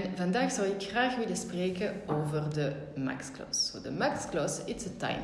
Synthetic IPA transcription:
nvɑndaːxsɑwɪkxraːxʋɪləspreːkənoːvərdə | ma̰ksklɔ̰sodəmaksklɔsɪtətɛ̰jn

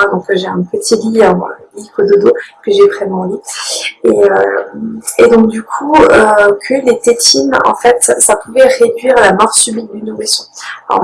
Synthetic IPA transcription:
ad̪ɔ̃kʒeɛ̃pət̪ʰiliɛ̰̃likʰod̪od̪okəʒevʁɛmɑ̃lieø | ed̪ɔ̃k̚d̪ykʰuøkʰəlet̪et̪inɑ̰̃fɛt̪sapuvɛʁed̪ɥiʁalamɔʁsybit̪̚d̪ynumesjɔ̰̃

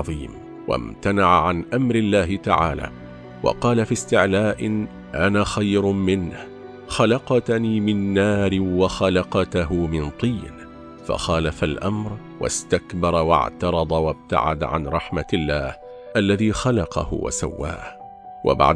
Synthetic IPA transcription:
ðˤiːm | wa̰mt̪anaʕaʕanʔamɾɪlːaːɦɪt̪aʕa̰ːla̰ː | wɑ̰qɑːlafiːst̪ɪʕlaːʔɪ | ʔanaːxajɾmɪnh | xalɑqɑt̪niːmɪnːaːɾɪwɑxalɑqɑt̪aɦʊmɪnt̪ˤiːn | fa̰xaːlafalʔamɾ | wa̰st̪akbɑɾˤwɑ̰ʕt̪ɑɾˤɑd̪ˤɑwab̚t̪a̰ʕa̰d̪ʕa̰nɾˤɑħmalːaːh | ʔalːaðiːxalɑqɑ̰hʊ̰wa̰sa̰wːa̰ːh | wa̰ba̰ʕd

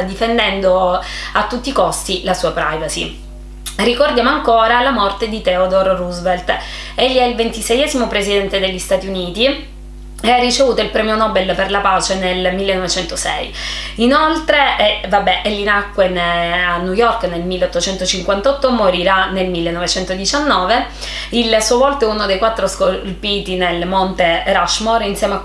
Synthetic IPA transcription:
d̪ifend̪ɛnd̪oat̪ːut̪ːikost̪ilasuːapɾajvasi | rikord̪jaːmoaŋkoːɾalamɔrt̪ed̪it̪ɛod̪orruzvelt̪ | eʎːiɛilvent̪isɛjɛːzimopɾezid̪ɛnt̪ed̪eʎːist̪aːt̪iuniːt̪i | earːit͡ʃevuːt̪oilpɾɛːmjonɔːbelperlapaːt͡ʃenelmilːenːɔvet͡ʃɛnt̪osɛ̰jinolt̪ɾeɛvabːɛʔɛʎːinakːwenanːujɔrknelmilːeot̪ːot͡ʃɛnt̪ot͡ʃiŋkwant̪ɔt̪ːomoɾiɾanelmilːenːovet͡ʃɛnt̪od̪it͡ʃanːɔːve | ilsuovɔlt̪oɛunod̪ejkwat̪ːɾoskolpiːt̪inelmɔnt̪eɾaʃmoɾinsjɛːmea

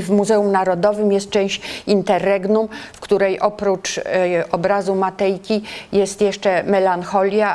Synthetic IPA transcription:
vmuzɛumnaɾɔd̪ɔvɘmjɛst̪̚t͡ʂɛ̃w̃ɕt͡ɕint̪ɛrːɛɡnumfkt̪uɾɛjʔɔpɾut͡ʂɔbɾazumat̪ɛjkʲijɛst̪jɛʂt͡ʂɛmɛlanxɔlʲja

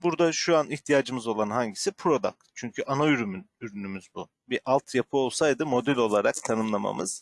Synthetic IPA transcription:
buɾd̪aʃuaniçt̪ʰijaːd͡ʒɯmɯzo̞lˠanɦaɲɟisipʰɾo̞d̪a̰kt͡ʃʰyɲcʰyʔanoyɾymynyɾynymyzbu | biʔalˠt̪ʰjapʰɯo̞lˠsajd̪ɯmo̞d̪ɛlʲo̞lˠaɾakt̪ʰanɯmlˠama̰mɯz̥

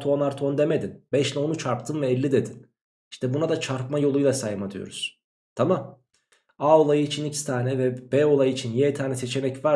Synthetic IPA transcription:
t̪ʰoonaɾt̪ʰond̪e̞me̞d̪inbɛʃlʲɛo̞nut͡ʃʰaɾp̚t̪ʰɯnvɛːlʲːid̪e̞d̪in | iʃt̪ʰɛbunad̪at͡ʃʰaɾpmajo̞lˠujlˠasajɯmad̪ʰɯjo̰ɾuz̥ | t̪ʰamam | aolˠajɯit͡ʃʰinicʰi̥st̪ʰaːnɛvɛbɛo̞lˠajɯit͡ʃʰinjɛt̪ʰaːnɛse̞t͡ʃʰe̞mɛcvaɾ

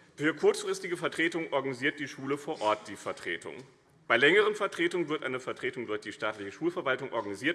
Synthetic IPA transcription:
fyːɐkʰʊɐt͡sfʁ̥ɪstɪɡəfɛɐtʁ̥eːtʊŋʔɔɐɡaniziːɐt̚d̥iːʃuːləfoːɐʔɔɐt̚d̥iːfɛɐtʁ̥eːtʊ̰ŋ | b̥aɪlɛŋəʁ̞ənfɛɐtʁ̥eːtʊŋnvɪɐtʔa̰ɪnəfɛɐtʁ̥eːtʊŋdʊɐçd̥iːʃtaːtlɪçəʃuːlfɛɐvaltʊŋʔɔ̰ɐɡaniziːɐt

